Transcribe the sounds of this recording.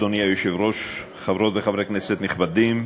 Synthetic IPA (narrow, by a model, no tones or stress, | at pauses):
d̪onijajoʃevɾoʃ | χavɾot̪veχavɾekneset̪niχbad̪im